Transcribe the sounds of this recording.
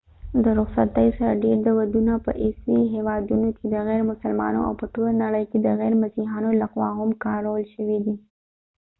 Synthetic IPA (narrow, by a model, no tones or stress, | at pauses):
d̪əɾʊɣsat̪əjosaɾaɖeɾd̪əwad̪unapə̰ʔɪsiɦewɑd̪unokʰed̪əɣɛɾmʊsəlmɑ̰no̰a̰wpət̪olnaɽəjked̪əɣɛjɾmasiɦɑnolaxwɑ̰ɦʊmkɑɾawəlʃəwid̪i